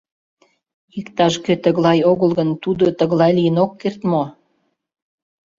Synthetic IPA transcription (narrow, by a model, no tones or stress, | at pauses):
ikt̪ɑʃkøt̪əɣlɑjoɣəlɣənt̪ud̪ot̪əɣlɑjlijənokːert̪mo